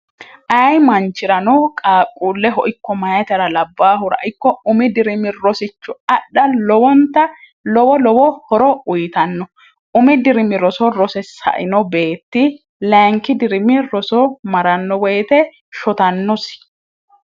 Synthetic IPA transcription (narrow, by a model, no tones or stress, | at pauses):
ʔɐjmɐnt͡ʃːɪɾɐnɔkʼaːkʼːuːlːɛɦɔʔɪkːɔmɐjɐt̪ɐɾɐlɐbːaːɦʊɾɐ̰ʔɪkːɔʊmɪd̪ɪɾɪmɪɾɔsɪt͡ʃːʊɐɗːɐlɔwɔnt̪ːɐ | lɔwɔlɔwɔhɔɾɔʊjt̪ɐnːɔ | ʔʊmɪd̪ɪɾɪmɪɾɔsɔɾɔsɛsɐ̰ʔɪ̰nɔbe̞ːt̪ːɪ | lɛːŋkːɪd̪ɪɾɪmːɪɾɔsɔmɐɾɐnːɔwɛjt̪ɛ | ʃɔt̪ɐnːɔs